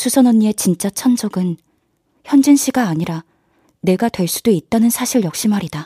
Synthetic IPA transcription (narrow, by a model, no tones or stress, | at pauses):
sʰusʰʌnʌɲːie̞t͡ɕint͡ɕ͈at͡ɕʰʌnd͡ʑʌɡɯn | çjʌnd͡ʑinɕ͈ʰiɡaːɲiɾa | ne̞ɡatwe̞ɭs͈u̥doit̚t͈anɯnsʰaɕʰiɭjʌk̚ɕ͈imaɾida